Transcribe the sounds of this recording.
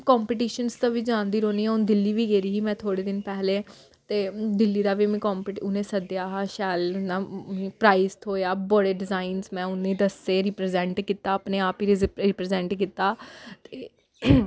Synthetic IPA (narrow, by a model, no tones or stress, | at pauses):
kɔːmpɪʈiːʃənst̪ãːʋiːd͡ʒãːnd̪iːɾoːniːɛ̃ːʊnd̪ɪlːiːʋiːɡeːɾiːɦiːmɛ̃ːt̪ʰoːɽeːd̪ɪnpɛːleː | t̪eːd̪ɪlːiːd̪aːʋiːmĩːkɔːmpʈʊnẽːsəd̪jaːɦaːʃɛːlnaːĩːpɾaːist̪ɦoːjaːbɔɽeːɖɪzaːinsmɛ̃ːʊnːẽːd̪əseːɾipɾezɛ̃ːɳʈkiːt̪ːaːəpneːaːpiɾɾɪpɾeːzɛ̃ːɳʈkiːt̪aːt̪eː